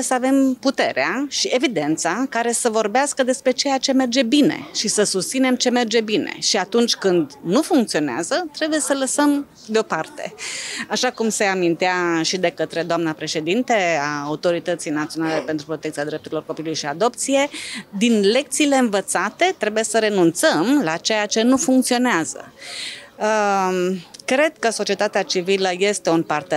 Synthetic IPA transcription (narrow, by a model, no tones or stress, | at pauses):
səave̞mput̪e̞ɾeaʃie̞vid̪e̞nt̪sakaɾe̞səvo̞rbeaskəd̪e̞spɾe̞t͡ʃe̞jat͡ʃe̞me̞rd͡ʒe̞bine̞̰ʃisəsust̪sine̞mt͡ʃe̞me̞rd͡ʒe̞bine̞̰ʃiat̪unt͡ʃʲkɨnd̪nufuŋkt̪sio̞nea̰zət̪ɾe̞buje̞sələsəm | d̪eo̞part̪e̞̰aʃakumse̞amint̪eaʃid̪e̞kət̪ɾe̞d̪oamnəpɾe̞ʃe̞d̪int̪e̞aːut̪o̞ɾit̪ət̪sijnat̪sio̞nale̞pent̪ɾupɾo̞t̪ekt̪sijad̪ɾe̞p̚t̪uɾilo̞rko̞pilulujʃiad̪o̞pt̪sije̞d̪inle̞k̚t̪siːle̞ɨnvət̪sat̪e̞t̪ɾe̞buje̞səɾe̞nunt̪səmlat͡ʃe̞jat͡ʃe̞nufuŋk̚t̪sio̞neazə̰ | ə | kɾe̞d̪̚kəso̞t͡ʃie̞t̪at̪eat͡ʃiviləje̞st̪e̞unpart̪e